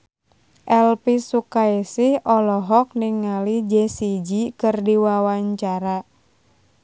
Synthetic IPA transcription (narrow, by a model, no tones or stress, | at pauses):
ʔɛlpisukaisɪhɔlɔɦɔk̚niŋalid͡ʒɛsid͡ʒikɨrdiwawaɲt͡ʃaɾa